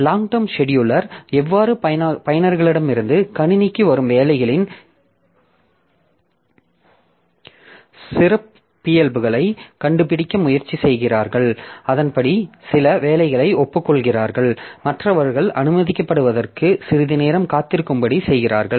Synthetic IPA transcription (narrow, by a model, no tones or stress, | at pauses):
laːŋʈɐmʂɛɽjʊlɐɾɛʋːaːɾɯpɐjɐnɐɾɣɐɭɪɽɐmɪɾɯnd̪ɯkɐnɪnɪkːɯʋɐɾɯmʋeːlɐɪɣɐɭɪn | sɪrɐpː | ɪjɛlbɯɣɐɭɐɪkɐɳɖɯp̬ɪɽɪkːɐmʊjɐɾt͡ʃːisɛjɣɪraːɾɣɐɭɐðɐnpɐɽisɪlɐʋeːlɐɪɣɐɭɐɪɔpːɯkːɔɭɣɪraːɾɣɐɭmɐʈrɐʋɐɾɯɣɐɭʔɐnɯmɐðɪkːɐpːɐɽɯʋɐðɐrkɯsɪɾɯðɪneːɾɐmkaːt̪ːɪɾɯkːɯmbɐɽisɛjɣɪraːɾɣɐɭ